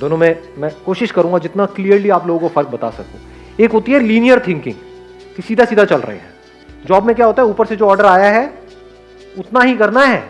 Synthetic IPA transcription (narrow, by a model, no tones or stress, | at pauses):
d̪oːnõmẽmɛ̃ːkoːʃɪʃkɐɾũŋɡad͡ʒɪt̪naklijəɾliaːploːɡõkofɐɾk̚bɐt̪a̰sɐ̰k̚t̪ḛ̃ː | eːkɦoːt̪iɦɛliːnijəɾt̪ʰɪ̃ŋkɪ̰̃ŋɡ | kesiːd̪ʱasiːd̪ʱat͡ʃɐlɾɐ̰ɦḛɦɛ̰̃ː | d͡ʒɔːbmẽk̬jaːɦoːt̪aɦɛuːpəɾsed͡ʒoːɔːɾɖəɾaːjaɦɛ | ʊt̪naɦikɐɾnaɦɛː